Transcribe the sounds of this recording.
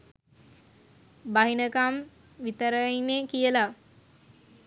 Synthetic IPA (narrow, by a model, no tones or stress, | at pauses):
baɦinəkam | ʋit̪əɾəinːekijəla